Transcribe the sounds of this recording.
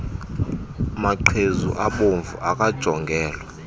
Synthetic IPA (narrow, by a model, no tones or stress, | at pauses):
maǃʰezṵʔaɓoɱvṵʔakʼad̥ʒ̥ʱɔŋɡʱɛːlwɛ